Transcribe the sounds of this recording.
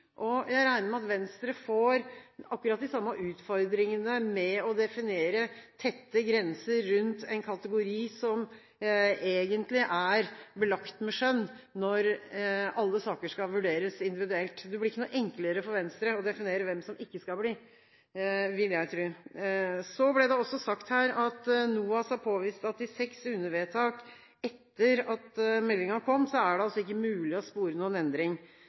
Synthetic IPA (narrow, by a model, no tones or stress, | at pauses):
ʔɔjæɪɾæɪnəɾmɛɑt̪ʋɛnst̪ɾəfoːɾɑkːʉɾɑt̪̚d̪ɪsɑmːɑʔʉːt̪fɔɾd̪ɾɪŋənəmɛɔd̪ɛfɪneːɾət̪ʰɛt̪ːəɡɾɛnsəɾːʉnt̪ʰɛɪnkʰɑt̪əɡʊɾiːsɔm | eːɡənt̪lɪʔæɾbəlɑkt̪mɛʂœnː | ɔɾ | ɑlːəsɑːkəʂkɑʋʉɖeːɾəsɪnd̪ɪʋɪd̪ʉɛlt̪d̪ɛblɪɾɪkːənuːʔɛŋkləɾəfɔɾʋɛnst̪ɾəɔd̪ɛfɪneːɾəʋɛmsɔmɪkːəskɑlbliː | ʋɪljæɪt̪ʰɾʉː | sɔblɛd̪ɛɔsːɔsɑkt̪hæːɾɑt̪nuːɑshɑɾpʰoːʋiːst̪ɑt̪ɪsɛksʉnːəʋeːt̪ʰɑːk | ɛt̪ːəɾɑt̪mɛlːɪŋɑnəkʰɔmːsɔæɖɛɑlsːɔɪkːəmʉːlɪɔspuːɾənuːənɛnd̪ɾɪŋ